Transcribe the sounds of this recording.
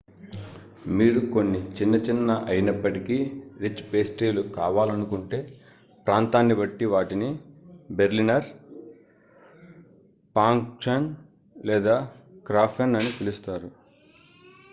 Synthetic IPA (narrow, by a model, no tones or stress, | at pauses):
miːɾuko̞nːit͡ʃinːɐt͡ʃinːɐʔɐjinɐpːɐʈikiɾit͡ʃːpe̞ːsʈeːlukaːʋaːlɐnukuɳʈe̞ː | pɾaːnt̪aːnːibɐʈːiʋaːʈinibe̞ɾlinɐɾ | paːŋkt͡ʃɐn | lɛːd̪aːkɾaːpʰɐnɐnit̪elust̪aːɾu